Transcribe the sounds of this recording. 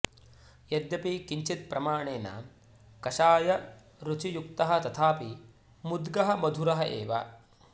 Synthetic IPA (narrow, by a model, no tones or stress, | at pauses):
jɐd̪jɐpikiɲt͡ʃit̪̚pɾɐmaːɳeːna̰ | kɐʃaːjɐ | ɾut͡ʃijukt̪ɐɦɐ̆t̪ɐt̪ʰaːpi | mud̪ɡɐɦɐ̆mɐd̪ʱuɾɐɦɐʔeːʋa̰